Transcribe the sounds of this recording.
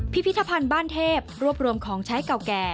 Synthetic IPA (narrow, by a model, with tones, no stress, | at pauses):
pʰi˦˥pʰi˦t̪ʰːa˧pʰa˧nbaː˥˩nt̪ʰeː˥˩p̚ɾu˥˩əp̚ɾu˧əmkʰɔː˩˦ŋt͡ɕʰa˦˥jka˨˩wkɛː˨˩